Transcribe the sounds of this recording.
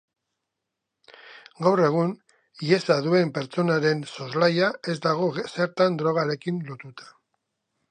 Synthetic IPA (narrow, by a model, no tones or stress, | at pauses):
ɡawre̞ɣ̞un | iesaðue̞mpe̞ɾt͡so̞naɾe̞nso̞zlajae̞zd̪aɣ̞o̞se̞ɾt̪and̪ɾo̞ɣ̞aɾe̞kinlo̞t̪ut̪ḁ